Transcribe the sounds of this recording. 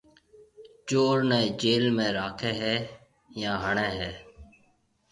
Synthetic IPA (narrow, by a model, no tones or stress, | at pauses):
d͡ʒoːɾnɛːd͡ʒeːlmẽːɾaːkʰeːɦɛː | jãːɦəɳeːɦɛː